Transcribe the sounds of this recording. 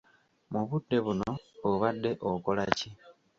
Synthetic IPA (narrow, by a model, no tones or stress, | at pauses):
muβudːe̞βunoβoβadːe̞ʔoko̞laci